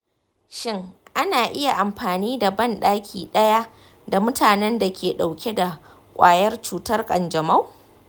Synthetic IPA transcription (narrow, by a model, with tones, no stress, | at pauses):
ʃɪ˦ŋʔa˦naː˨ʔɪ˦ja˨ʔa˨mɸaː˨niː˦da˨bɐ˦˨nɗaː˦kʲʰiː˨ɗɐ˦ja˦ | da˨mʊ˦tʰaː˨nɛ˦nda˨kʲʰeː˨ɗa˨wkʲe˦da˨ | kʷʼaː˨jɐ˦rt͡ʃuː˦tɐ˦rkʼɐ˨nd͡ʒɐ˨ma˦w